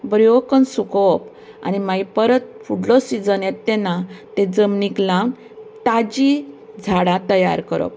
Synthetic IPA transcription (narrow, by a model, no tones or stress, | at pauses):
bəɾjɔkənsukɔp | a̰nimaipəɾət̪̚fuɽlɔsid͡zənjet̪ːɛnat̪ed͡zəmniklãm | t̪ad͡ʑi | d͡zʱaɽat̪əja̰ɾkəɾɔ̰p̚